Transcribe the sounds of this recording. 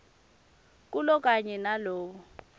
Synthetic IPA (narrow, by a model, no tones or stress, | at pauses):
k̬ʼulɔk̬ʼaɲɛnaloːɓɔ